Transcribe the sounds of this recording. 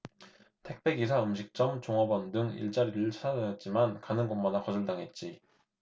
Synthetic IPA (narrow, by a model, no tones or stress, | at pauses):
tʰe̞k̚p͈e̞ɡisʰaɯmɕ̬ʰik̚t͡ɕ͈ʌmt͡ɕoŋʌbʌndɯŋḭɭt͡ɕ͈aɾiɾɯɭt͡ɕʰad͡ʑɯjʌt̚t͡ɕ͈imankanɯnɡonmadakʌd͡ʑɯɭdaŋɦe̞t̚t͡ɕ͈i